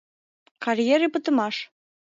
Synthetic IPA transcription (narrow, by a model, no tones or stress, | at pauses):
kɑrʲjeɾepə̆t̪ə̆mɑʃ